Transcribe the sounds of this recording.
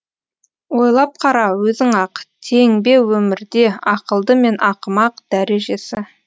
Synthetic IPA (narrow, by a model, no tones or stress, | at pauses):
wo̞jlˠɑp̚qʰɑɾɑwɵzɪŋɑqt̪ʰe̞ŋbe̞wɵmɪɾd̪e̞ɑqəlˠd̪əme̞nʔɑqəmɑqd̪̥æɾe̞ʒe̞sɪ